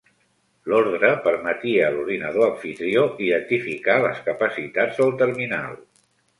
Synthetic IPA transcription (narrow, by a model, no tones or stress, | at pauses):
lɔɾðɾəpəɾmət̪iəluɾðinəðoəɱfit̪ɾioʔiðənt̪ifikaləskəpəsit̪ad͡zzðəlˠt̪əɾmina̰lˠ